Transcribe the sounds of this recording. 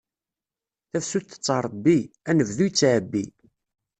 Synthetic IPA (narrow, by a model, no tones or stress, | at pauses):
θæfsut̪ːə̥t͡sːɑɾˤbːiænəvðujt͡sːaʕbːi